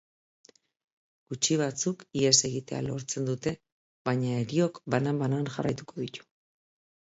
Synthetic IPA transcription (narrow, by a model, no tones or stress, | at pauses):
ɡ̥ut͡ʃiβ̞at͡sukie̞se̞ɣit̪e̞a̰lo̞ɾt͡se̞nd̪ut̪e̞ | βaɲae̞ɾio̞kbanambananʝa̰ra̰jt̪uko̞ðit̪u̥